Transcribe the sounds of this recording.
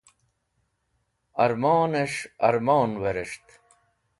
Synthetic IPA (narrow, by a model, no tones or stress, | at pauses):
ɐɾmoːneʂɐ̰ɾmoːnweɾeʂt̪